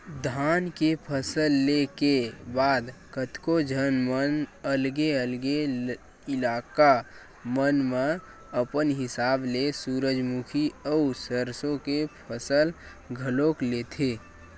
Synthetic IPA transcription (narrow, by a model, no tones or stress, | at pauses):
d̪ʱaːnkepʰəsəlːekebaːd̪kət̪kod͡ʒʱənmənəlɡeəlɡe | ɪlaːka | mənmẽ | əpənɦɪsaːblesuːɾəd͡ʒmukʰiəusəɾsõkepʰəsəl | ɡʱəloklet̪ʰeː